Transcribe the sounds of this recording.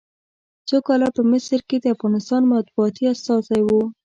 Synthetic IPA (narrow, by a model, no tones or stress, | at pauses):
t͡sokɑlapəmɪsɾked̪əafɣɑnɪst̪ɑnmat̪̚buɑt̪iast̪ɑsajwu